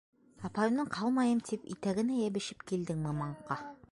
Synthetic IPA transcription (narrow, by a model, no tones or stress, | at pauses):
ɑpɑjɤ̆mnɤɴqʰɑlˠmɑjɤmt̪ʰipḭt̪æɡɘ̆næjæβɘ̆ʃɘpkild̪ɘŋmɤmɑɴqɑ